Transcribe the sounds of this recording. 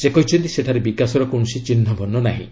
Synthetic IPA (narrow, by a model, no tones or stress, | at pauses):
sekɔɦit͡ʃʰɔnt̪iseʈʰaɾebikasɔɾɔkõɔsit͡ʃinɦɔbʱɔnːɔnaɦḭ̃